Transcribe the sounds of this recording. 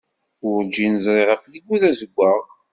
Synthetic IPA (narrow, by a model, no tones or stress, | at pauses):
ʊɾd͡ʒinəzɾiʁəfliɡːuðæzəɡʷːəʁ